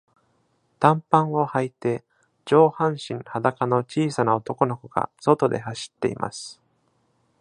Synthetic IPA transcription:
t̪ãmpãɰo̞hait̪e̞ | d͡ʑo̞ːhãɰ̃ɕĩɴhad̪akano̞t͡ɕiːsanao̞t̪o̞ko̞no̞koɡa̰so̞t̪o̞d̪e̞̰haɕi̥t̪ːe̞̰ḭmʔa̰sɨ̥

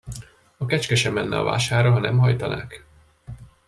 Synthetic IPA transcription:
ɒkɛt͡ʃkɛʃɛmːɛnːɛ̰ɒ̰va̰ːʃaːrɒɦɒnɛ̰mhɒjt̪ɒnʔa̰ːk

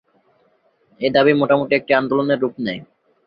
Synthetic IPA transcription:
ed̪abimoʈamoʈiek̚ʈiand̪oloneɾːupnej

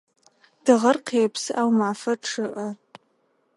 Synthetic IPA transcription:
d̥ɨʁɐrqʰiapʰsɨʔawmaʕfɐʈ͡ʂʰɨʔa

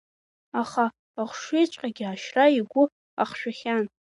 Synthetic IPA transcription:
aχa | aχʷʂejt͡ʃʷʼqʼaɡʲɪaʃraiɡʷʊ | a̰χʃᶣaχʲan

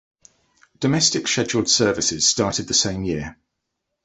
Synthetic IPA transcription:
d̥əmɛstɪkʃɛd͡ʒəlˠd̥sɜːvɪsɪz̥stɑˑtɪd̪̚ðəsẽɪ̃mjɪə

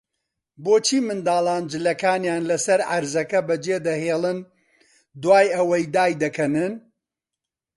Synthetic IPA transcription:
boːt͡ʃʰiːmɨnd̪aːlˠaːnd͡ʒɨlɐkaːnjaːnlɐsɐɾʕaɾzɐkɐbɐd͡ʒeːd̪ɐheːlˠɨn | d̪waːjɐwɐjd̪aːjd̪ɐkʰɐnɨn

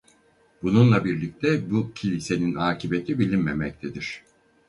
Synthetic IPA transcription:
bununlˠabiɾlʲic̚t̪ʰɛbucʰilʲise̞ninaːcʰibe̞t̪ʰibilʲinmemɛc̚t̪ʰed̪iɾ̥

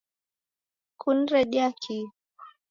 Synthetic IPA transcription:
kʰun̩ɾɛɗjakʰi

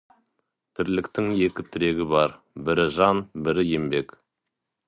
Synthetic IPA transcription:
t̪ʰɪɾlɪkt̪ɪŋje̞kʲɪt̪ʰɪɾe̞ɡʲɪbɑɾ | bɪɾɪʒɑnbɪɾɪje̞mbe̞k

